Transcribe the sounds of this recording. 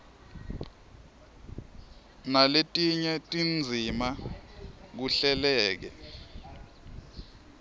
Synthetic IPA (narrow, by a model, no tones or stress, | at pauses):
naletʼiɲɛtʼind͡zʱima | k̬uɬɛlɛːk̬ɛ̰